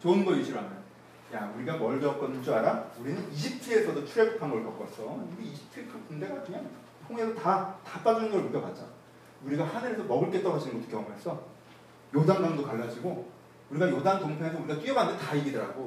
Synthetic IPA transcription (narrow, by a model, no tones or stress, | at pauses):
t͡ɕonɡʌjiɕʰiɾɯɭa̰nːa | jauɾiɡamʌɭd͡ʑʌk͈ʌnɯd͡ʑ͈uaɾauɾinɯniɕʰip̚tʰiesʰʌdot͡ɕʰuɾeppʰanɡʌɭkjʌk͈ʌs͈ʌɯɡiiɕʰi̥p̚tʰikʰɯnpunde̞ɡakɯɲaŋ | tʰoŋiesʰotatap͈ad͡ʑunɯnɡʌɭmukjʌp͈at̚t͡ɕ͈a̰ | uɾiɡahanɯɾesʰʌmʌɡɯɭk͈e̞t͈ʌɡaɕinɯnɡʌt͈ːo̥kjʌŋuɦesʰʌ | jodaŋmaŋdokaɭːad͡ʑiɡo | uɾiɡajodaŋt͡ɕʌŋtʰeɦesʰʌuɾiɡat͈iʌɡanɯndeetaiɡidɯɾa̰ɡo